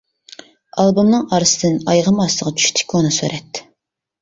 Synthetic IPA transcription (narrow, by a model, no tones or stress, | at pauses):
ɑlˠbumnɨŋɑɾɨsɨd̪ɨnɑjʁəmɑst̪əʁɑt͡ʃ̪ʰy̥ʃt̪ʰɪ̥kʲonɨsøɾɛt̪ː